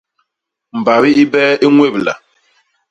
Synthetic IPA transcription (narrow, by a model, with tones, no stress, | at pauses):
m̩˨ba˨βi˦i˦bɛː˦i˦ŋwe˦˨bla̰˨